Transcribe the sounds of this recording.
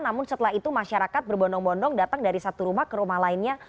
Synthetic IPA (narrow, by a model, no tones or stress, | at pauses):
namʊnsət̪əlaɦit̪umaʃaɾakat̪̚bərbɔndɔŋbɔndɔŋdat̪aŋdaɾisat̪uɾumahkəɾumahlaɪnɲa